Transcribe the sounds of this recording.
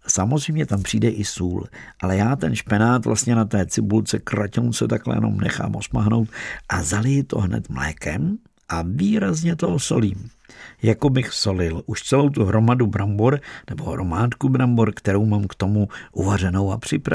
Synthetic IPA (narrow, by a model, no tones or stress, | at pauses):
samozrɛjmɲɛt̪ampr̝̥iːdɛʔɪsuːlʔalɛjaːt̪ɛnʃpɛnaːt̪vlʔast̪ɲɛnat̪ɛːt͡sɪbult͡sɛkɾacownsɛt̪aklɛ̰jɛ̰no̞̰mnɛ̰xa̰ːmʔosmaɦno̞wt̪ʔazalɪjɪt̪o̞̰ɦnɛ̰t̪mlɛ̰ːkɛm | ʔaviːɾazɲɛt̪ooso̞liːmjako̞bɪxso̞lɪlʔuʃt͡sɛlo̞wt̪uɦɾo̞madubɾamboɾnɛbo̞ɦɾo̞maːt̪kubɾamboɾkt̪ɛɾowmaːmkt̪o̞muʔuvar̝ɛno̞wapr̝̥ɪpɾa